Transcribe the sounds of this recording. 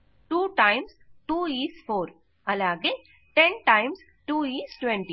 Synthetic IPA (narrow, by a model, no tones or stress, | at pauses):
ʈuːʈajmsʈuːiːsfoːɾ | ɐlaːɡeː | ʈeɳʈajms | ʈuːiːsʈʋẽɳʈi